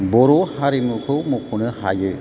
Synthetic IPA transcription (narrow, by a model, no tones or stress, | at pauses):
bɔɾohaɾimukʰɯwmokʰonɯha̰jɯ